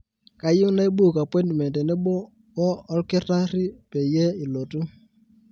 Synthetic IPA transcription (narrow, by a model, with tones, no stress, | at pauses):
ka˨ji˦na˦i˦bu˦˨ka˨pɔ˦jntmɛ˨ntɛ˨ne˦ɓo˦ | wɔ˦ɔ˦lkɪ˦ta˦ɾi˦pe˨je˦i˨lo˨tu˦